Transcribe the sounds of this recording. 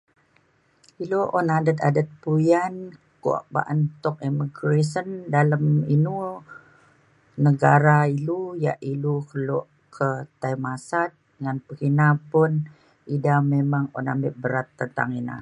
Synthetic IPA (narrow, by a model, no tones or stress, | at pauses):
iluʔɔnadət̪a̰dət̪̚pujankṵa̰ʔba̰ʔənt̪ɔkiməɡɾesəndaləminu | nəɡaɾailujaʔilukəlɔʔ | kʰət̪ajmasat̪̚ | ŋanpəkinapʊn | idamemaŋɔ̰na̰mbɪʔbəɾat̪ːənt̪a̰ŋina̰